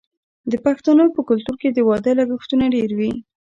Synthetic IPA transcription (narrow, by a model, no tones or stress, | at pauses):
d̪əpaxt̪anopəkʊlt̪uɾked̪əwɑd̪əlaɡəxt̪unaɖeɾwi